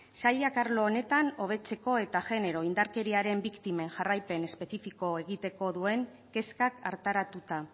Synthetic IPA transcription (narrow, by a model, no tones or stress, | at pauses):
saʎakaɾlo̞ːne̞t̪ano̞β̞e̞t͡se̞ko̞e̞t̪aʝe̞ne̞ɾo̞ind̪aɾke̞ɾiaɾe̞mbikt̪ime̞ŋʝarajpe̞ne̞spe̞θifiko̞e̞ɣ̞it̪e̞ko̞ðue̞ŋ | ke̞skaka̰ɾt̪aɾat̪ut̪a